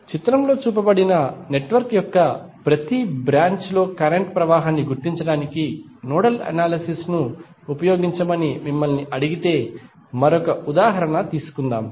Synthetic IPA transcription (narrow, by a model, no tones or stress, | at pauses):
t͡ʃit̪ɾɐmlo̞ːt͡ʃuːpɐbɐɽinɐne̞ʈʋɐɾkjɔkːɐpɾɐt̪ibɾaːɲt͡ʃlo̞ːkɐɾeɳʈpɾɐʋaːɦaːnːiɡuɾt̪iɲt͡ʃɐɽaːniki | nɔːɽɐlɐ̰naːlɐsisnuː | pɐjo̞ːɡiɲt͡ʃɐmɐnimimːɐlniʔɐɽiɡit̪e̞ː | mɐɾɔkɐud̪aːɦɐɾɐɳɐt̪iːsu̥kund̪aːm